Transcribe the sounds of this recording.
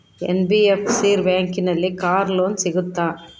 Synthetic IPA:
ɛ̰nbiɛfsiːɾʋeːŋkɪnɐlːikaːɾloːnsɪɣɯt̪ːaː

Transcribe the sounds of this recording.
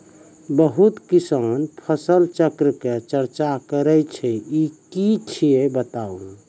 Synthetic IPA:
bəɦut̪kisanpʰəsəlt͡ʃəkɾəket͡ʃəɾt͡ʃakəɾəjt͡ʃʰɛikit͡ʃʰiebət̪aũ

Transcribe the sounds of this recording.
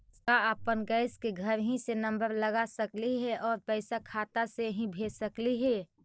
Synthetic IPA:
kaəpənɡəɪskeɡʱəɾɦĩsenə̃mbəɾləɡasəkliɦɛʔɔːɾpɛɪsakʰaːt̪aseɦĩbʱeːsəkliɦɛː

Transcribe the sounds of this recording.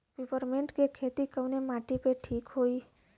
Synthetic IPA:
pipəɾmẽɳʈkekʰet̪ikəʋnemãʈipeʈʰiːkɦoi

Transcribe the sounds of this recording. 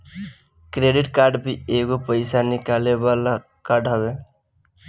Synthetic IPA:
kɾeɖɪʈkaːɾɖbieːkopəɪsanɪkaːlebala | kaːɾɖɦəbe

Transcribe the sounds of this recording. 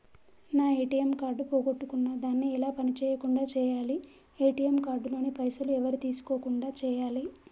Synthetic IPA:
naːeːʈijemkaːɾɖupoːɡoʈːukunːɐd̪aːnːiːlaːpɐnit͡ʃɛːjɐkuɳɖaːt͡ʃɛːjaːli | eːʈijemkaːɾɖlo̞ːnipɐjsɐluɛʋɐɾit̪iːsu̥koːkuɳɖaːt͡ʃɛːjaːli

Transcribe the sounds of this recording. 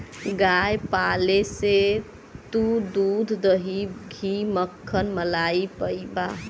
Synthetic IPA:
ɡajpalese | t̪ud̪ud̪ʱd̪əɦiɡʱiməkʰːənməlaipəjba

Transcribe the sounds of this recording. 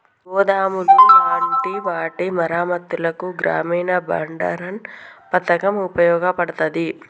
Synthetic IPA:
ɔːd̪aːmululaːɳʈiʋaːʈimɐɾaːmɐt̪ːulɐkuɡɾa̰ːmiːnɐbɐ̰ɳɖɐ̰ɾɐnpɐt̪ɐkɐmupɐjɔːɡɐpɐɽɐt̪ɐd̪i

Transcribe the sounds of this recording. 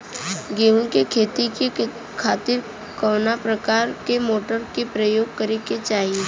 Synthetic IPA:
ɡeːʋõkekʰeːt̪ike | kʰaːt̪ɪɾ | kɔːnapɾəkaːɾkemoːʈəɾkepɾəjoːɡ̚kəɾeket͡ʃaːɦie

